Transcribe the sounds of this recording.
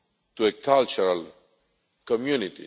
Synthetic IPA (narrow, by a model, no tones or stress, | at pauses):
t̪uekalt͡ʃuɾal | kɔmjunit̪ḭ